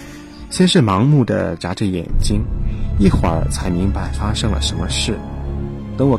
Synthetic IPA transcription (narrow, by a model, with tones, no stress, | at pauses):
ɕjɛ˥nʂɻ̩˥˩mɑ˧˥ŋmu˥˩d̪ə̰˩ʈ͡ʂa˧˥ʈ͡ʂə˥˩jɛ̰˨˩nt͡ɕi˥ŋi˥˩xwa̰˨˧˥t͡sʰa˧˥ɪmi˧˥ŋpa˧˩ɪfa˥ʂɤ˥ŋlə̰˨ʂə˧˥nmə˧ʂɻ̩˥˩t̪ɤ˧˥ŋwɔ˨˩